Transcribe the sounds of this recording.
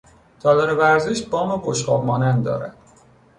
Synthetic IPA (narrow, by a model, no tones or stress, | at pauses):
t̪ʰɒːd̪ɒɾevæɾzeʃbɒːmeboʃqɒːbmɒːnænd̪d̪ɒ̰ːɾæ̰d̪̥